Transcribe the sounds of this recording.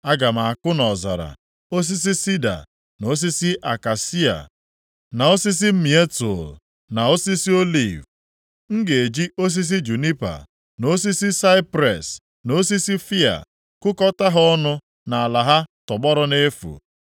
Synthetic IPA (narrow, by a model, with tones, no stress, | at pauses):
a˦ɡa˨m˨a˨a˨kʊ˦nɔ˨za̰˨ɾa̰˨ | o˦s̬i˦s̬i˦si˦da̰˨ | no˦s̬i˦si˦ʔa˨ka˨si˦a̰˨ | na˨o˦si˦s̬i˦m̩˦mi˨e˦to˨l | na˨o˦si˦si˦o˦lḭ˨v | ŋ̩˦ɡe˨e˨d͡ʒi˦o˦s̬i˦s̬i˦d͡ʒu˨ni˦pa̰˨ | no˦s̬i˦si˦sa˦ɪ˦pɾe˨s | no˦si˦si˦fi˦a̰˨ | kʊ˦kɔ˦ta˦ɦɔ˦nʊ˦ | na˨a˨la˨ɦa˦tɔ˨ɡ͡bɔ˦ɾɔ˦ne˦fṵ˨